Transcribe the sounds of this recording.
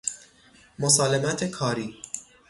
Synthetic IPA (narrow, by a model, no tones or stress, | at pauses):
mosɒːlemæt̪ʰekʰɒːɾiː